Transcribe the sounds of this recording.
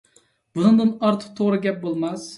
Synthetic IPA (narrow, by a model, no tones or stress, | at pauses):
b̥ʊnɨŋd̪ɨnɑɾt̪ʰɨ̥q̚t̪ʰoʁɾɨɡʲɛp̚bolˠmɑs